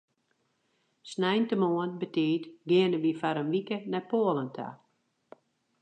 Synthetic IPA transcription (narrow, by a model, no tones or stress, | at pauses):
snɛjntəmoənbətɪːtɡɪənəʋifaɾənʋikənɛpoːəlˠəntʰa̰